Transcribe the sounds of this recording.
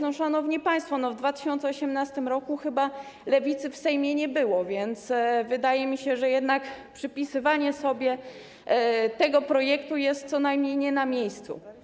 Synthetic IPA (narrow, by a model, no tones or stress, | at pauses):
ɔ̃ʂanɔvɲipaj̃st̪fɔnɔvd̪vat̪ɘɕɔnt̪sɛɔɕɛmnast̪ɘmɾɔkuxɘba | lɛvʲit̪sɘfsɛjmʲjɛɲɛbɘwɔvʲjɛnt̪svɘd̪ajɛmʲiɕɛʐɛjɛd̪nakpʂɘpʲisɘvaɲɛsɔbʲjɛ | t̪ɛɡɔpɾɔjɛkt̪ujɛst̪̚sɔnajmɲejɲɛnamʲjejst̪sṵ